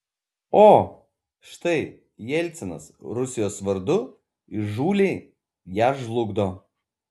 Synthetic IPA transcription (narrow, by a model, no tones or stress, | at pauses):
oː | ʃt̪ɐɪ | jɛlʲt̪sʲɛnɐ̰sɾʊsʲɪjoːsʋɐɾd̪ʊ | ɪʒuːlʲeː | jæːʒlˠʊɡd̪oː